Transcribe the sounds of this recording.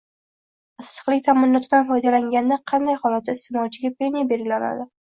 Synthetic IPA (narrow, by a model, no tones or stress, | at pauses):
ɨsːɨ̥qlˠɪk̚ʲt̪ʰamɪnːɒt̪ʰɪd̪anfɒjd̪alaŋɡʲand̪aqʰɑnd̪ajhɒlat̪̚ːaɪst̪emɒt͡ʃʰɪɡʲapʰe̞nijabe̞ɾɡʲɪlana̰d̪ɪ